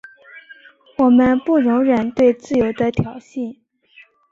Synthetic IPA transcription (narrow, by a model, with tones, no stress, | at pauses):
wɔ˨˩mə˦npu˥˩ɻʊ˧˥ŋɻə˨˩nt̪we˥˧ɪt͡sɹ̩˥˩jo˧˥ʊd̪ə˧t̪ʰjɑ˨˩ʊɕi˥˩n